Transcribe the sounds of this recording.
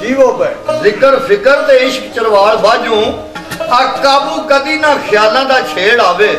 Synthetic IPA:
kiːoːbɛzɪkəɾpʰɪkəɾt̪eːɪʃkt͡ʃəɾʋaːɭbaːd͡ʒõː | aːkaːbuːkəd̪iːnaːkʰɪjaːlãːd̪aːt͡ʃʰeːɽaːʋeː

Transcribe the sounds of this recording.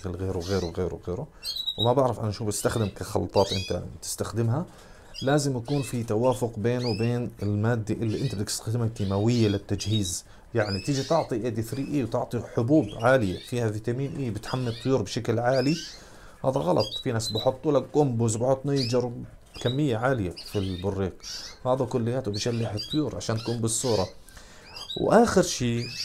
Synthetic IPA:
klɣeːɾuwɣeːɾuɣeːɾṵɣeːɾuwmabaʕɾɪfʔa̰naʃuːbɪst̪axd̪ɪmkaxɑ̰lt̪ˤɑːt̪ʔɪnt̪a̰t̪ɪ̥st̪axd̪ɪmɦa | laːzɪmjakuːnfit̪awaːfʊqbeːnuwbeːnɪlmaːd̪ːaʔɪlːiʔɪnt̪abd̪ɪt̪ɪst̪ḁxd̪ɪmakt̪imawɪjːalɪt̪ːad͡ʒhiːz | jaʕnit̪ɪd͡ʒit̪ɪʕt̪ˤiʔeːd̪ifɾiːʔiwt̪ɪʕt̪ˤiħʊbuːbʕaːlɪja̰fiːhavit̪aːmiːnʔiːbɪt̪ħamːit̪ˤːʊjuːɾbʃaklʕaːli | ha̰ːðaɣɑlʔɑt̪ˤfinaːsbɪħʊt̪ˤːwɪlːaɡʊmbʊzbħʊt̪ˤːnajd͡ʒɑɾˤb | kamːɪjːaʕaːlɪjafilbʊrːiːqhaːðakʊlːɪjːaːt̪ubɪʃalːɪħɨt̪ˤːʊjuːɾˤʕaʃaːnt̪akuːmbɨsːuːɾˤɑ | wʔaːxɪɾʃiː

